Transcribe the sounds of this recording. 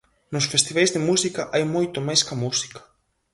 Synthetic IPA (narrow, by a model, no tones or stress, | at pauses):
nosfest̪iβajzðemusikɐʔajmojt̪omajskɐmusi̥kɐ̥